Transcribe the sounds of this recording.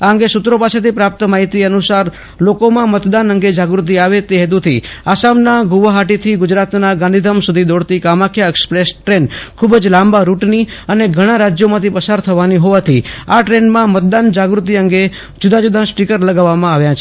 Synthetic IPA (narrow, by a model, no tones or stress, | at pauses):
aəŋɡesʊt̪ɾopaset̪ipɾap̚t̪maɦit̪iənusaɾ | lokomãmət̪d̪anəŋɡed͡ʒaɡɾut̪̬iaʋet̪eɦɛt̪̬ut̪ʰiasamnaɡuʋaɦaʈit̪ʰiɡʊd͡ʒɾat̪naɡãnd̪ʱid̪ʱəmsud̪ʱid̪ɔɽt̪ikamakʰjaekspɾesʈɾenkʰubd͡ʒlãmbaɾuʈniəneɡʱəɽ̃aɾad͡ʒjomãt̪ʰipəsaɾt̪ʰəʋaniɦoʋat̪ʰiaʈɾenmãmət̪̚d̪and͡ʒaɡɾut̪iəŋɡe | d͡ʒud̪ad͡ʒud̪ʱãsʈikəɾləɡaʋːamãaʋjat͡ʃʰe̥